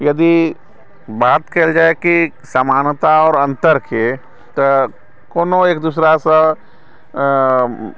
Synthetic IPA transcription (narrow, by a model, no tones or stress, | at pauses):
jɐd̪i | baːt̪keld͡ʒaːeki | səmaːnt̪aɔːɾə̃nt̪əɾke | t̪o | koːnoeːk̚d̪uːsɾasə